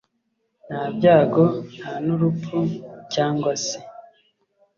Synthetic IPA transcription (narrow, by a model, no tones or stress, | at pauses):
nhaːb̚ɟaːɡon̥haːnuɾupucaːŋɡwasi